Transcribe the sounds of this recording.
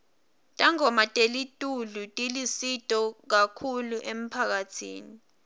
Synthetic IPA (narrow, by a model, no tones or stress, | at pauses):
tʼaŋɔmatʼelitʼulutʼilisitʼɔk̬akʰuluʔem̩pʰak̬atʰḭːni